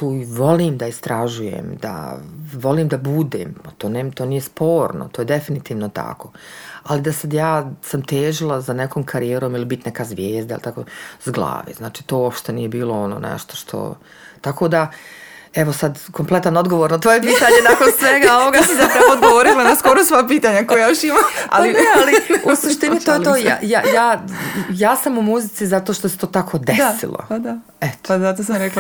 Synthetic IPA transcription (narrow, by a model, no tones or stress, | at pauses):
t̪uːiʋo̞liːmd̪aist̪ɾaʒujḛmd̪a̰ʋo̞liːmd̪abud̪ḛːmat̪oːnemt̪o̞ːnijespʰo̞ːɾno̰t̪oːjed̪efinit̪iːʋnot̪a̰ko̞alid̪asad̪jaːsamt̪eːʒilˠazanekoːmkʰaɾijeːɾo̞ːmilibit̪nɛkazʋjeːzd̪ailit̪akozɡlˠa̰ːʋeːznaːt͡ʃiːt̪oːopʃt̪enije̞biːlˠoonoːnḛʃt̪o̥ʃt̪ʰo̰ | t̪ako̞d̪a | eʋosad̪komplˠe̞t̪anod̪ɡo̞ʋoɾnat̪ʋo̞jepiːt̪aɲenakonsʋeɡaoʋoɡaisaɾamod̪̚ɡoʋoɾilanaskoɾosʋapiːt̪aɲakojejoʃimaa̰lialiuusuʃt̪iniojet̪oːjajajaːjaːsamumuzit̪sizat̪oʃt̪ose̥t̪oːt̪akʰo̞d̪esḭlˠo̰d̪a | et̪o̥zat̪osamɾekl